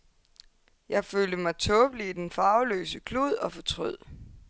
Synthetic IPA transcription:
jɑ̈ɪføːld̥əmɑ̈ɪt͡sʰɔːb̥əliːd̥enfɑ̈ʊlø̰ːsəkʰluð̰ˠɒ̽fɒ̽t͡sʰʁyð̰ˠ

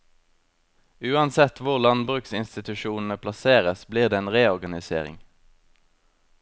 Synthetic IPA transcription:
ʉːɑnsɛt̪ʋʊʁlɑnbʁʉːksɪnst̪ɪt̪ʉʃuːnn̩əpʰlɑseːʁəsbliːʁd̪eːeːnʁeːɔʁɡɑnɪsḛːʁɪ̰ŋ

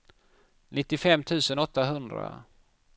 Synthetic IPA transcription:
nɪt̪ːɪfɛmːt̪ʰʉ̟ːsənɔt̪ːaɦɵnd̪ɾa̰

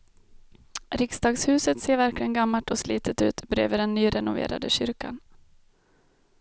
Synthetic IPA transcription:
ɾɪksd̪ɑːɡshʉ̟ːsət̪seːɾvæɾklɪɡənɡamːaʈɔsliːt̪ʰət̪ʉ̟ːt̪bɾḛːvəɖ̪ɛnːyːɾɛnʊvḛːɾa̰d̪əɕʏɾka̰n

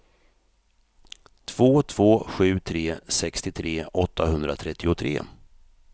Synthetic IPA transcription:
t̪ʰv̥oːt̪ʰv̥oːɧʉ̟ːt̪ʰɾeːsɛkst̪ɪt̪ʰɾeːʔɔt̪ːahɵnd̪ɾat̪ʰɾɛt̪ʰːɪʊt̪ʰɾḛː

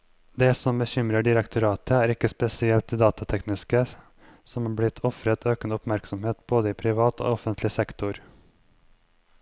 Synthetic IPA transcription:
d̪eːsɔmbəçʏmɾəɖɪɾɛkt̪ʰʊɾɑːt̪əæːɾɪkːəspɛsɪɛlt̪̚iːd̪ɑːt̪ɑt̪ʰɛknɪskə | sɔmɑːblɪt̪ʰɔfɾət̪ʰøːkənʊpmæɾksɔmheːt̪boːd̪əiːpʰɾɪʋɑːt̪o̰ːɔfənt̪ʰlɪsɛkt̪ʊɾ

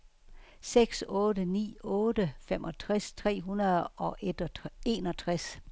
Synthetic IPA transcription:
seɡ̥sɔːdənḭːɔːdəfemʔɒ̽t͡sʰʁast͡sʰʁɛ̰ːɦunɐðˠɒ̽ʔed̥e̝ːnɒ̽t͡sʰʁas

